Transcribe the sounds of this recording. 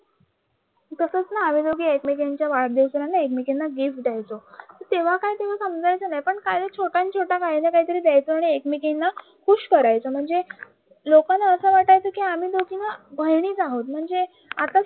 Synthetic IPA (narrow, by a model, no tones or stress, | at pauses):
t̪əsət͡snaːʋed̪oɡiːekmikeɲt͡ɕjaʋaɭd̪ewsəɾanːaekmikinːaɡifʈd̪ajt͡sot̪əɾt̪eʋ̤akaɦit̪eʋ̤asəmd͡zajt͡sənajpəɳkajd̪ət͡ɕʰoʈãnt͡ɕʰoʈakaɦinakaɦiːt̪əɾiːd̪ɛjt͡soaɽ̃iekmikinːa | kʰuɕkəɾajt͡səm̤əɳd͡ze | lokanːaəsəʋaʈajt͡səkiam̤iːd̪okʰinabʱəjɳ̃iːt͡saɦot̪̚m̤əɳd͡ze | at̪a